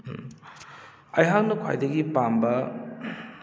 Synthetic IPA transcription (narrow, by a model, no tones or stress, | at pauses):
ɐjɦak̚nɐkʰa̰jdɐɡipambɐ